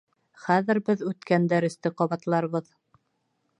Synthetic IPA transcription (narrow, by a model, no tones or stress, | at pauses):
χæðɘ̆ɾbɘðʉt̪kænd̪æɾɘ̆st̪ɘqɒβɑt̪lˠɑɾβɤð